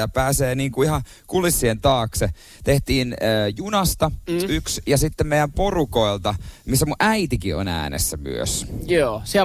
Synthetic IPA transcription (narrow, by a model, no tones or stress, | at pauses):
ɑpæːseːniːŋkuihɑ | kulisːient̪ɑːkse | t̪eht̪iːnəːjunɑst̪ɑyksjɑsit̪ːemejæmporuko̞ilt̪ɑmisːæmuʔæit̪ikio̰næ̰ːnḛsːæmy̰ø̰sjoːsiæ